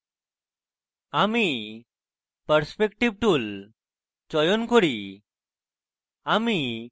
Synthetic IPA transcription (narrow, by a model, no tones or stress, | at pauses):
ami | pəɾspekʈib̚ʈul | t͡ʃɔjɔnkɔɽi | ami